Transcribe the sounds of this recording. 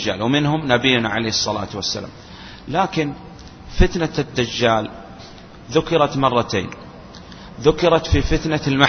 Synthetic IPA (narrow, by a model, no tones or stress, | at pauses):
d͡ʒːa̰ːlwmɪnɦʊmnabijːʊnaʕaleːhɨsˤːɑla̰ːt̪wasːa̰la̰ːm | laːkɪn | fɪt̪nad̪ːad͡ʒːaːl | ðʊkɪɾˤɑt̪mɑrˤːɑt̪ḛːn | ðʊkɪɾˤɑt̪fifɪt̪nalma